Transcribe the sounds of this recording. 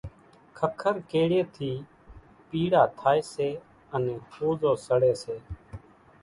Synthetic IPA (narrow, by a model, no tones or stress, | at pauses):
kʰəkʰəɾkeːɽeːt̪ʰiː | piːɽaːt̪ʰaːeːseː | ənẽːhoːzoːsəɽeːseː